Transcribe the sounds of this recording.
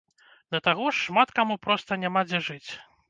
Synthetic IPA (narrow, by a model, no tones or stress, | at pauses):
d̪ɐt̪aɣɔʂːmat̪kamupɾɔst̪ɐnʲamad͡zʲɛʐɨt͡sʲ